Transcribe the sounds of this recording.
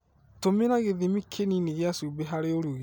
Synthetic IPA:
tomeɾaɣeðimikʰeniniɣeasuːbeɦaɾeoɾuɣi

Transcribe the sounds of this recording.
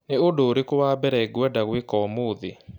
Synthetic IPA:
neodoːɾekowaːbɛɾɛɡwɛdaɣwekɔmoðe

